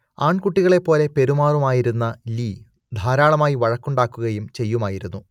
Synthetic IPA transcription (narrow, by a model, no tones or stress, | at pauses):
aːɳkuʈːiɣɐɭe̞pːo̞ːle̞pe̞ɾumaːrumaːjiɾunːɐliː | d̪ʱaːɾaːɭɐmaːjiʋɐɻɐkːuɳɖaːkːuɣɐjumt͡ɕe̞jːumaːjiɾunːu